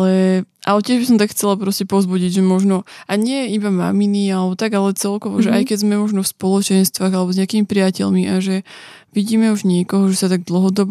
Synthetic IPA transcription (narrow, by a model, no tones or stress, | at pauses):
lɛʔalɛcɪɛʒbis̬ɔmt̪akxt͡sɛlapɾɔscɛpɔʊzbuɟiɟʒɛmɔʒnɔaɲɪɛibama̰minialɛbɔt̪aɡalɛt͡sɛlkɔʋɔʒɛʔajkɛɟzmɛmɔʒnɔfspɔlɔt͡ʃɛnst̪ʋaːɣalɛbɔzɲɪakiːmipɾiɪacɛ̰ʎmiʔaʒɛ | ʋiɟiːmɛuʒɲɪɛkɔɦɔʒɛsat̪aɡ̚d̪l̩ˠɦɔd̪ɔb